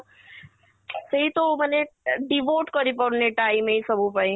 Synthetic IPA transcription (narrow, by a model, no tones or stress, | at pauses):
sɐɦit̪omɛneɖiʋoːʈkɐɾipɐneʈaːimẽisɐbʱupaĩ